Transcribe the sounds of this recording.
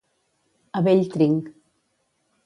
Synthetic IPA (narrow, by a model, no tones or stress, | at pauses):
aβeʎt̪ɾiŋk